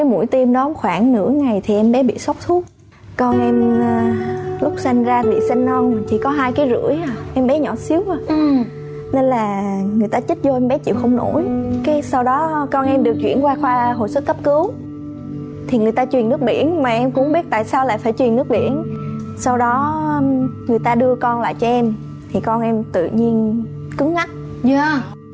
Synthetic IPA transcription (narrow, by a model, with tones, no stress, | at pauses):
kaː˨˦jmṵ˧˩˥jt̪i˧mɗɔ˨˦ŋ͡mxwaː˧˩ŋnɨ̰˧˩˥əŋa˨˩jt̪ʰi˨˩ʔɛ˧mɓɛ˨˦ɓḭ˧˨sa˦˥k͡p̚t̪ʰu˦˥t̚ | kɔ˧nʔɛ˧m | lʊ˦˥k͡p̚sa˧jŋ̟zaː˧t̪ʰḭ˨˩sa˧jŋ̟nɔ˧nt̪ʰi˨˩kɔ˨˦ɦaː˧jkaː˨˦jzɨ̰˧˩˥əjʔɛ˧mɓɛ˨˦ɲɔ˧˩si˨˦əw | ne˧nlaː˨˩ŋɨ˨˩əjt̪aː˧t͡ɕi˦˥t̚zo˧ʔɛ˧mɓɛ˨˦t͡ɕḭ˧˨wxə˧wŋ͡mno̰˧˩jkaː˨˦jsa˧wɗɔ˨˦kɔ˧nʔɛ˧mɗɨ˨˩ək̚t͡ɕwḭ˧˩ənkwaː˧xwaː˧ɦo̰˧˨jsə˦˥t̚kːə˦˥p̚kɨ˨˦w | t̪ʰi˨˩ŋɨ˨˩əjt̪aː˧t͡ɕwi˨˩ənːɨ˦˥ək̚ɓḭ˧˩ənmaː˨˩ʔɛ˧mkʊ̰˧˥ŋ͡mɓi˦˥ət̚t̪a̰ː˧˨jsaː˧wla̰ː˧˨jfaː˧˩jt͡ɕwi˨˩nːɨ˦˥ək̚ɓḭ˧˩˨ən | sa˧wɗɔ˨˦˧ | ŋɨ˨˩əjt̪aː˧ɗɨ˧əkɔ˧nla̰ː˧˨jt͡ɕɔ˧ʔɛ˧m | t̪ʰi˨˩kɔ˧nʔɛ˧mt̪ɨ̰˧˨ɲi˧ən | kɨ˨˦ŋŋa˦˥t̚ | a˧